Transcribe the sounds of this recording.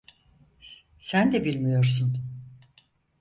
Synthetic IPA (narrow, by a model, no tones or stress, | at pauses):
sænd̪ɛbilʲmijo̞ɾsun